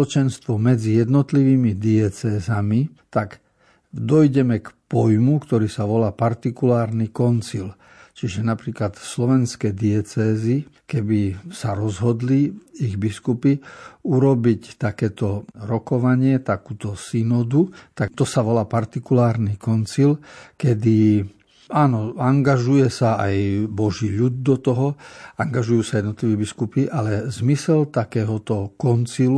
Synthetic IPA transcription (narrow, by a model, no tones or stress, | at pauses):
ɔt͡ʃɛnst̪ʋɔmɛd͡zijɛd̪nɔt̪liʋiːmid̪iɛt͡sɛːzamit̪aɡ | d̪ɔjɟɛmɛkpɔjmukt̪ɔɾiːsaʋɔlaːpaɾt̪ikulaːɾnikɔnt͡sil | t͡ʃiʒɛnapɾiːklat̪slɔʋɛnskɛjd̪iɛt͡sɛːzikɛbisaɾɔzɦɔd̪liiɣbiskupiuɾɔbict̪akɛːt̪ɔɾɔkɔʋaɲɪɛt̪akuːt̪ɔsinɔd̪ut̪at̪ɔsaʋɔlaːpaɾt̪ikulaːɾnikɔnt͡silkɛd̪i | aːnɔaŋɡaʒujɛsaajbɔʒiːʎud̪̚d̪ɔt̪ɔɦɔaŋɡaʒujuːsajɛd̪nt̪liʋɛːbiskupiʔalɛzmisɛlt̪akɛːɦɔt̪ɔkɔnt͡silu